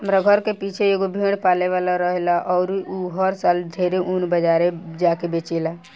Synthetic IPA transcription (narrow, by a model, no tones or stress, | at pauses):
ɦəmɾaɡʱəɾkepiːt͡ʃʰeeɡobʱĩːɽpaːleʋaːlaɾəɦelaʔɔːɾuɦəɾsaːld̪ʱeːɾeʔunbəd͡ʒaːɾed͡ʒaːkebeːt͡ʃela